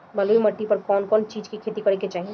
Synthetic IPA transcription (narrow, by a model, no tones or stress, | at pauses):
bəluiməʈːipəɾkɔːnkɔːnt͡ʃiːd͡ʒkikʰet̪ikəɾɛket͡ʃaːɦie